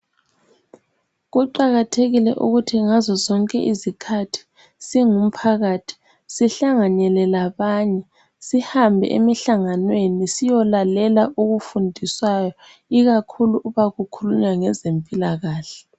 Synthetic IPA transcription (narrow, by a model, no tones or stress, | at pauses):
ɣuǃaɣatʰeɣilɛ̰ʔṵɣutʰiŋazɔzɔŋkʼɛ̰ʔizikʰatʰi̥ | siŋum̩pʰaɣaːtʰi̥ | siɬaŋaɲɛlɛlaβaɲɛ | sihambʱɛ̰ʔḛmiɬaŋanwenisijɔlalɛlaʔoɣufundʱiswajɔ | iɣakʰuluʔuβaɣukʰuluɲaŋɛzempʼilaɣaːɬɛ